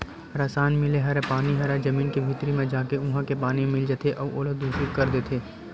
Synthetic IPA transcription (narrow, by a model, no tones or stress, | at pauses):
ɾasaːnmɪleɦɐɾepaːniɦɐɾed͡ʒɐmiːnkibʱɪt̪ɾimẽd͡ʒaːkeʊɦãkepaːniẽmɪld͡ʒət̪ʰeʔɔːʔoːlod̪uːʃikɐɾd̪eːt̪ʰeː